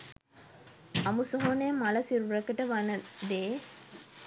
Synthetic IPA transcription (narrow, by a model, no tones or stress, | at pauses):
ɐmusoɦoneːmɐlɐsiɾuɾɐkɐʈɐʋɐnɐd̪eː